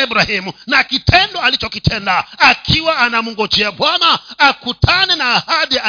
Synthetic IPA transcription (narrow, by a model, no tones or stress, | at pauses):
iɓuɾahimunakitʰɛndɔalit͡ʃɔkitʰɛndaːkʰiwaːnamuŋɡɔt͡ʃɛaɓwanaːkutʰanɛnaːhaɗia